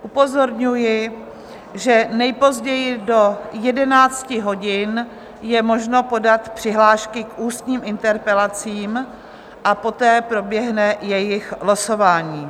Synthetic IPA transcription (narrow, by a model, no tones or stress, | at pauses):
ʔupo̞zo̞ɾɲujɪ | ʒɛnɛjpo̞zɟɛjɪdo̞jɛdɛnaːt͡scɪɦo̞ɟɪn | jɛmo̞ʒno̞po̞dat̪pr̝̥ɪɦlaːʃkɪkʔuːst̪ɲiːmʔɪnt̪ɛɾpɛlat͡siːm | ʔapo̞t̪ɛːpɾo̞bjɛɦnɛjɛjɪxɦlosovaːɲiː